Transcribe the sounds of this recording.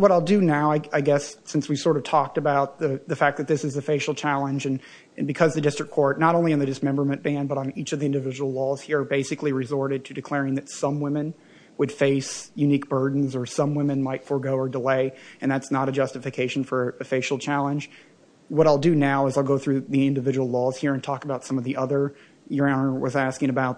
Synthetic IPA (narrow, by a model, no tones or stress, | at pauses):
wʌɾaɪlˠdɨnaʊaɪaɪɡɛssɪ̃nswi̥sɔɹɾʌv̥tʰɔk̚tɨbaʊt̪̚ðɨðɨfæk̚ðɨt̪̚ðɪsɨzɨfeɪʃl̩ˠt͡ʃʰælˠə̃nd͡ʒɨ̃n | ɨ̃nbɨkʰʌzðɨdɪstɹ̥kʰːɔɹtⁿnəɾõʊ̃nliɨ̃nðɨdɨsmɛ̃mbə˞mɨ̃nb̥æ̃nbʌɾn̩it͡ʃʌvðiɪ̃ndɨvɪd͡ʒəwl̩ˠlɔz̥hiɹbeɪsɨkliɹɨzɔɹɾɨd̚tʰɨdɨkʰl̥ɛɹɪ̃ŋðɨtsʌ̃mwɪ̃mɨ̃n | wəd̥feɪsjʉnik̚b̥ɜ˞dⁿn̩zə˞sʌ̃mwɪ̃mɨ̃nmaɪtfə˞ɡoʊə˞dəleɪɨ̃nðætsnəɾɨd͡ʒʌstɨfɨkʰeɪʃn̩fə˞ɨɨfeɪʃl̩ˠt͡ʃʰælˠə̃nd͡ʒ | wʌɾaɪlˠdɨnaʊɨzaɪlˠɡoʊθɹʉðiɪ̃ndɨvɪd͡ʒəwl̩ˠlɔz̥hiɹɨ̃ntʰɔkəbaʊtsʌ̃mʌvðiʔʌðə˞ | jə˞ãʊ̃nə˞wʌ̰zæskɪ̃ŋɨbaʊt̚